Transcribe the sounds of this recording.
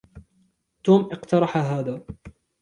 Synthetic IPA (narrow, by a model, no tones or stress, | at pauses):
t̪uːmʔɪqt̪ɑɾˤɑħaɦaːðaː